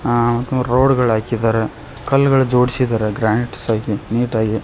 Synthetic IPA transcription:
mɐt̪ːumɾoːɽɡɐɭaːkid̪aːɾe | kɐlːɡɐɭud͡ʒoːɽisid̪aːɾeɡɾaːniʈsaːɡiniːʈaːɡi

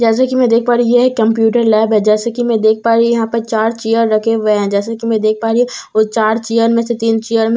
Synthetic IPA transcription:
d͡ʒɛːs̬akimɛ̃d̪eːk̚ʰpaːɾijeekːɐ̃mpjuːʈəɾlɛːbɦɛd͡ʒɛːsakimɛ̃d̪eːk̚ʰpaːɾijɐɦãpɐɾt͡ʃaːɾt͡ʃijəɾːɐkʰeʋeɦɛ̃d͡ʒɛːs̬akimɛ̃d̪eːk̚ʰpaːɾiot͡ʃaːɾt͡ʃijəɾmẽset̪iːnt͡ʃijəɾmẽ

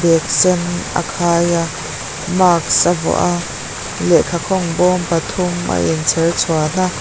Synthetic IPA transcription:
bɛk̚sɛna̰kʰaːja | maːk̚sɐvɔ̰ʔa | lɛʔkʰakʰɔŋbɔːmpɐt̪ʰʊma̰ʔɛnt͡sʰɛrt͡sʰuan̥a

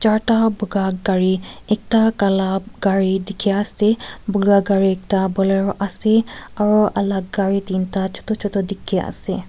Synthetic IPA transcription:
t͡ʃaɹtabuɡaɡaɹiɛk̚takalaɡaɹidikʰiaasɛbuɡaɡaɹiɛk̚tabɔlɛɹɔʔasɛaɹuʔalaɡɡaɹitintat͡ʃʰɔ̥tɔt͡ʃʰɔtɔdikʰiʔa̰sɛ

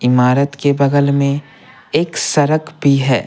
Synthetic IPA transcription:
ɪmaːɾət̪kebɐɡəlmẽ | eːksɐɾəkbʱiɦɛ̰ː

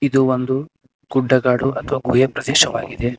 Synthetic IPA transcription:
id̪uond̪u | ɡ̥uɖːɐɡaːɽuʔɐt̪ʰɐʋaːɡuːjɐpɾɐd̪ɛːʃɐʋa̰ːɡid̪e

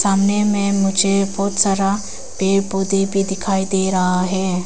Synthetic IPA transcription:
saːmnemẽmʊd͡ʒʱebɔːt̪saːɾa | beːboːd̪ibʱid̪ɪkʰaːid̪eːɾɐɦaɦɛː

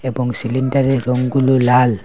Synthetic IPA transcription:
ɛbɔŋsilindaɾiɾoŋɡululal

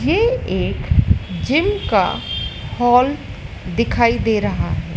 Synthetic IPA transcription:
jeeːkd͡ʒɪmka̰hɔːl | d̪ɪkʰaːid̪eːɾɐɦaɦɛː

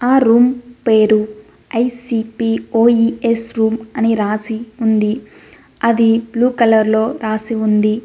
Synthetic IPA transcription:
aːɾuːmpe̞ːɾu | ɐjsipiːoːiesɾuːmɐniɾaːsiund̪i | ɐd̪ibluːkɐlɐɾlo̞ːɾaːsiund̪i

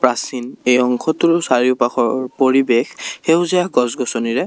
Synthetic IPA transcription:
pɹasinejɔŋkʰɔtuɹʊsaɹiʊpaxɔɹpoɹibexxewzijaɡɔsɡɔsɔniɹɛ

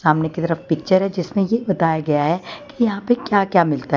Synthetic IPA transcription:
saːmnekit̪ɐɾəfpɪk̚t͡ʃəɾɦɛd͡ʒɪsmẽjebɐt̪aːjaɡɐjaɦɛkijɐɦãpekjaːkjaːmɪlt̪aɦ

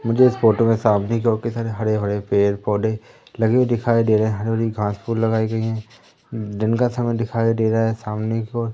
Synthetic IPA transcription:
mʊd͡ʒʱeɪsfoːʈəmẽsaːmnekoːɾkisaːɾeɦɐɽeɦɐɽepeːɾpɔːɖe | lɐɡed̪ɪkʰaːedeːɾeɛ̃ɦɐɽebəɾiɡʱãːspʰuːlːɐɡaːiɡɐiɦɛ̃ː | d̪ɪnkasɐməjd̪ɪkʰaːed̪eːɾaɦɛsaːmnekoːɾ

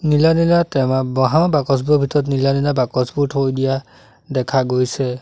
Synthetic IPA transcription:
nilanilatɛmabɔɦamabakɔsbuɔbʱitɔɹɔt̬nilanilabakɔsbutʰojdija | dɛkʰaɡojsɛ

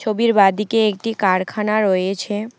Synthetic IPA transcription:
t͡ɕʰobiɾbad̪ikeek̚ʈikaɽkʰanaɾoet͡ɕʰe

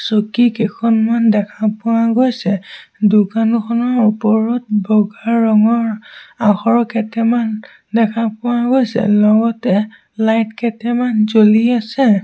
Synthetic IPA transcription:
sokikekʰɔnmandɛkʰapʊwaɡojsɛdukankʰɔnɔupɔɹɔt̚bɔɡaɹːɔŋɔɹaxɔɹɔkɛtɛman | dɛkʰapʊwaɡojsɛ̰lɔɡɔtɛ | lajtkɛtɛmanzoliasɛ

